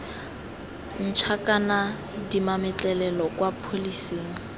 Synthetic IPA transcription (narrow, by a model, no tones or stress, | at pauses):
n̩t͡ʃʰakʼana | dimamɛt͡ɬʼɛlɛlɔkʼwapʰoliseːŋ̩